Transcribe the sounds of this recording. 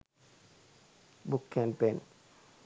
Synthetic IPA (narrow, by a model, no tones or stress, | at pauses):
bukːɛmpen